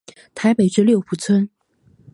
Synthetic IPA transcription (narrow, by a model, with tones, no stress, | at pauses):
t̪ʰa˧˥ɪpe˨˩ɪʈ͡ʂɻ̩˥ljo˥˩ʊpʰu˨˩t͡sʰwə˥n